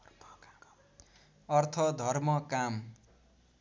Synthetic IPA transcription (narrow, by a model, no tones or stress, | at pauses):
ʌrt̪ʰʌd̪ʱʌrmʌkam